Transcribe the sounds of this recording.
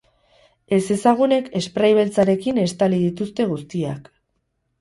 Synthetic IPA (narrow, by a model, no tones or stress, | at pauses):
e̞se̞saɣ̞une̞ke̞spɾajβ̞e̞lt͡saɾe̞kine̞st̪alið̞it̪ust̪e̞ɣ̞ust̪ia̰k